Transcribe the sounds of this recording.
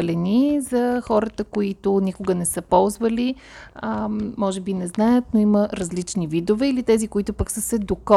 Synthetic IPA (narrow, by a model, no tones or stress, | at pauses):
lɛnizɐxɔɾət̪əkoit̪ʊnikʊɡənɛsəpɔlˠzvəli | mɔʒɛbinɛznajət̪noiməɾɐzlit͡ʃnivid̪ovɛilit̪ɛzikʊit̪ʊpəksəsɛd̪okɔ